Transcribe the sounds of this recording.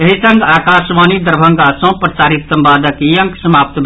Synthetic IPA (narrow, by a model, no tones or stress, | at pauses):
eɦisɐ̃ŋɡaːkaːsʋaːnid̪əɾbʱɐ̃ŋɡasõpɾət͡ʃaːɾit̪ːəmbaːd̪əkijɐŋksɐmaːp̚t̪b